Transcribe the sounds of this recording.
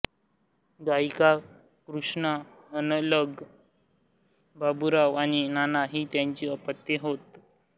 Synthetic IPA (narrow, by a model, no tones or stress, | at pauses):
ɡajika | kɾuʂɳa | ənləɡ | babuɾaʋaninanaɦiːt̪jaɲt͡ɕiːəpət̪ːjeɦot̪